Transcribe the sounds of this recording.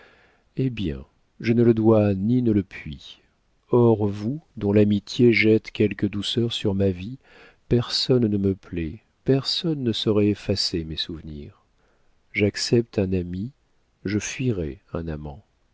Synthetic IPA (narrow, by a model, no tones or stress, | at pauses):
ebjɛ̰̃ | ʒənələd̪waninələpɥi | ɔʁvud̪ɔ̃lamit̪jeʒɛt̪kʲɛlkəd̪usœʁsyʁmavi | pɛʁsɔnnəməplɛ | pɛʁsɔnːəsəʁɛefasemɛsuvniʁ | ʒaksɛp̚t̪ɛ̃nami | ʒəfɥiʁɛɛ̰̃namɑ̰̃